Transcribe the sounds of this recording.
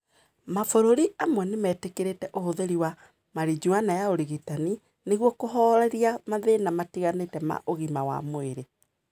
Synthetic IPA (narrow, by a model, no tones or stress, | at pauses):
mafoɾoɾiʔamwɛnemɛːtekeɾetɛʔohoðeɾiwa | maɾid͡ʑuanajaoɾiɣitani | neɣwɔkoɦɔɾɛɾiamaðenamatiɣanetɛma̰ʔoɣimawa̰moeɾe